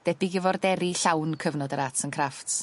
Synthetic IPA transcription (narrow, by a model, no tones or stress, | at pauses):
d̥ɛbɪɡɪvɔrdɛɾiɬawnkʰəvnɔdəɾatʰənkʰraftʰ